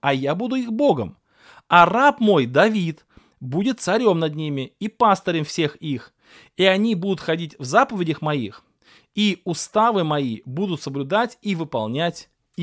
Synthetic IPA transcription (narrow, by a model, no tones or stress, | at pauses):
ɐjabud̪ʊixbo̞ɡə̰m | ɐrapmo̞jd̪ɐvʲit̪ | budʲɪt̪sɐɾʲo̞mnɐd̪nʲimʲɪipast̪əɾʲɪmfsʲe̞xix | iɐnʲibud̪ʊt̪xɐdʲitʲvzapəvʲɪdʲəxmɐix | iʊst̪avɨmɐibud̪ʊt̪səblʲʊd̪atʲivɨpɐ̰lˠnʲatʲ